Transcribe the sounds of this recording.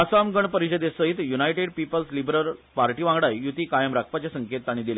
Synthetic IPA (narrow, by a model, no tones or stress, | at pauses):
asamɡəɳpəɾiɕəd̪esəɦit̪junajʈeɖ̚pipəlslibɾəɾpaɾʈiːʋãŋɡɽajjut̪iːkajəmɾakʰpat͡ɕasəŋkʰet̪ːaɽ̃ĩd̪ile